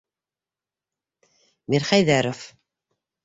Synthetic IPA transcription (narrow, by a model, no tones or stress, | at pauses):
miɾχæjðæɾof